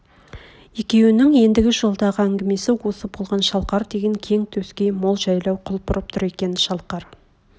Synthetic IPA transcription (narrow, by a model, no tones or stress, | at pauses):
je̞kʲe̞wɪnɪŋje̞nd̪ɪɡʲɪʒo̞lˠd̪ɑʁəæŋɡʲɪme̞sɪwo̞səbo̞lˠʁɑnʃɑlˠqɑɾd̪e̞ɡʲe̞ŋkʲʰe̞ŋt̪ʰɵskʲe̞jmo̞lˠʒɑjlˠɑwqʰʊlˠpʊɾəp̚t̪ʰʊɾe̞kʲe̞nɪʃɑlˠqɑɾ